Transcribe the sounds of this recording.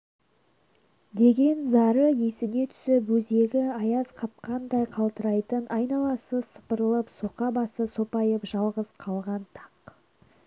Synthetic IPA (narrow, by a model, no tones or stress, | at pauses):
d̪e̞ɡʲe̞nzɑɾəjesɪne̞t̪ʰʏ̥sɪpwɵze̞ɡʲɪɑjɑzqʰɑp̚qɑnd̪ɑjqʰɑlˠt̪əɾɑjt̪ənʔɑjnɑlˠɑsəsə̥pəɾəlˠəpso̞qɑbɑsəso̞pɑjəpʒɑlˠʁəz̥qʰɑlˠʁɑnt̪ʰɑq